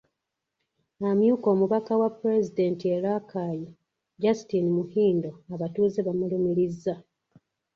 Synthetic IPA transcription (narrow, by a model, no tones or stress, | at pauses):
amjuːko̞ːmuβakawapːuɾe̞zide̞ːntieɾakʰaːji | ɟasitinimuhiːndo̞aβatuːzeβamulemiɾizːa